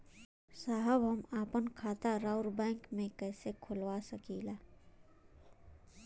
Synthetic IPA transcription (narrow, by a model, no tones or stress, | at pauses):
saːɦəbɦəmaːpənkʰaːt̪aɾaːʊɾbɛ̃ːŋkmẽkɛːsekʰʊlwasəkiːlaː